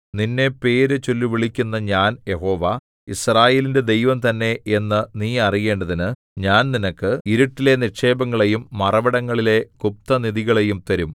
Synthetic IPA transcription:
ninːe̞pe̞ːɾet͡ɕolːiʋiɭikʲːunːɐɲaːnje̞ɦo̞ːʋa | israːje̞ːlinde̞d̪e̞jʋɐmt̪ɐnːe̞enːɨniːɐrije̞ːɳɖɐðinɨ | ɲaːnninɐkːɨiɾuʈːile̞niʂe̞ːbɐŋːɐɭe̞jumːɐrɐʋɐɽɐŋːɐɭile̞kup̚t̪ɐniðiɣɐɭe̞jumt̪ɐɾum

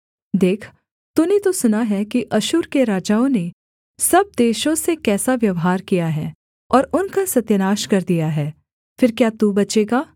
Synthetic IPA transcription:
d̪eːkʰ | t̪unet̪osʊnaɦɛkiʔɐʃuːɾkeɾaːd͡ʒaːõne | sɐb̚d̪eːʃõsekɛːsaʋjɐʋɦaːɾkijaɦɛː | ɔːɾʊnkasɐt̪jənaːʃkɐɾd̪ijaɦɛː | fɪɾkjaːt̪ubɐt͡ʃeːɡaː

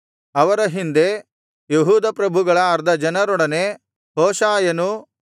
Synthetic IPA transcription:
ɐʋɐɾɐɦind̪e̞ | jeɦuːd̪ɐpɾɐbʱuɡɐɭɐːɾd̪ɐd͡ʒɐnɐɾɔɽɐne̞ | ɦoːʃaːjɐnu

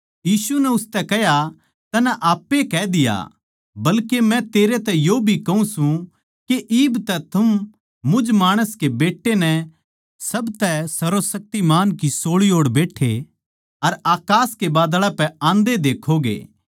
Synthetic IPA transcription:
jiːsunɛʊst̪ɛkɐja | t̪ɐnɛ̃ʔaːpːekɛd̪ɪja̰ | bɐlkemɛ̃t̪eːɾet̪ɛjoːbʱikɐɦũsũ | keʔiːbt̪ɛt̪ʰɐm | mʊd͡ʒmaːɽ̃əskebeːʈːenɛ̃ | sɐbt̪ɛsɐɾosɐk̚t̪imaːnkisoːɭioːɽbeːʈʰːḛ | ɐɾaːkaːskebaːd̪ɭapɛãːnd̪ed̪eːkʰoɡḛː

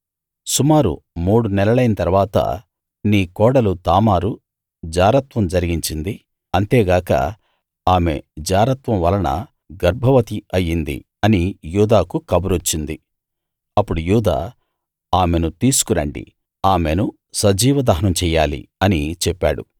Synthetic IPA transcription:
sumaːɾṵmuːɽunɛlɐɭɐjnɐt̪ɐɾʋaːt̪ɐ̰ | niːkɔːɽɐlut̪aːmaːɾu | d͡ʒaːɾɐt̪ʋɐmd͡ʒɐɾiɡiɲt͡ʃind̪i | ɐnt̪eːɡaːkɐ̰ | aːme̞̰d͡ʒaːɾɐt̪ʋɐmʋɐlɐnɐ̰ | ɡɐɾbʱɐʋɐt̪iɐjːind̪ḭ | ɐnijuːd̪aːkukɐbuɾot͡ʃːind̪i | ɐpːuɽujuːd̪a̰ː | aːme̞nut̪iːsu̥kuɾɐ̰ɳɖḭ | aːme̞nu | sɐd͡ʒiːʋɐd̪ɐɦɐnɐmt͡ʃɛːjaːlḭɐnit͡ʃɛpːa̰ːɽṵ

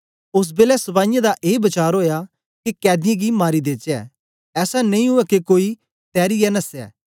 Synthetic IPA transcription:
ʊs̬beːlɛsɐbaːɪ̃jãd̪aʔeːbɐt͡ʃaːɾɦoːja | kikɛːd̪ɪjẽɡimaːɾid̪eːt͡ʃɛ̰ː | ɛːsanɐ̃ĩɦʊɛkekoːi | t̪ɛːɾiɛnɐsɛ̰ː

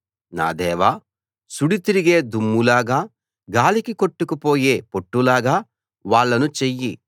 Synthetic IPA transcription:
na̰ːd̪ɛːʋaː | suɽit̪iɾiɡe̞ːd̪umːulaːɡaː | ɡaːlikiko̞ʈːukupo̞ːje̞ːpo̞ʈːulaːɡaː | ʋaːɭːɐnut͡ʃejːi

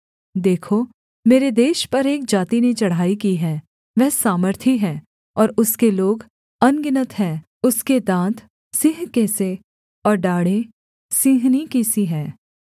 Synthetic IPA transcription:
d̪eːkʰo | meːɾed̪eːʃpɐɾeːk̚d͡ʒaːt̪inet͡ʃɐɽ̤aːikiɦɛː | ʋɛɦsaːməɾt̪ʰiɦɛː | ɔːɾʊskeloːɡ | ɐnɡɪnət̪ɦɛː | ʊsked̪ãːt̪ | sɪɦkɛːse | ɔːɾɖaːɽe | sĩːɦnikisiɦɛː

